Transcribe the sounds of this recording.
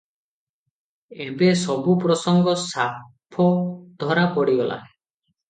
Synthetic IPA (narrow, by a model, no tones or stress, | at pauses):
ebesɔbupɾɔsɔŋɡɔsapʰɔd̪ʱɔɾapɔɽiɡɔla̰